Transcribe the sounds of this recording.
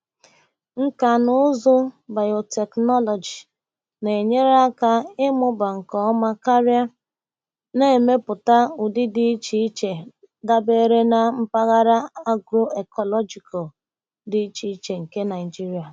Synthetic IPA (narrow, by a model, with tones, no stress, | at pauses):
ŋ̩˦ka˨nʊ˦zʊ˦ba˨jo˨te˨knɔ˦lɔ˨d͡ʒi˨ | ne˨ɲe˦ɾa˦ka˦ɪ˦mʊ˦ba˨ŋ̩˨kɔ˦ma˦ka˦ɾja˦ | ne˦˨me˦pʊ˨ta˦ʊ˨dɪ˦dɪ˦i˦t͡ʃi˦t͡ʃe˨ | da˦be˦ɾe˦na˨m̩˦pa˦ɣa˦ɾa˦a˦ɡɾo˦e˨kɔ˨lɔ˦d͡ʒi˨kɔ˨ | dɪ˦i˦t͡ʃi˦i˦t͡ʃe˨ŋ̩˨ke˦na˨ɪ˨d͡ʒi˦ɾi˨a˨